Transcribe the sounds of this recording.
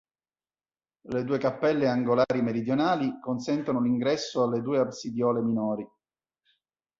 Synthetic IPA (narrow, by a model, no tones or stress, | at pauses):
led̪uːekapːɛlːeaŋɡolaːɾimeɾid̪jonaːlikonsɛnt̪onoliŋɡɾɛsːoalːed̪uːeabsid̪jɔːleminɔːɾi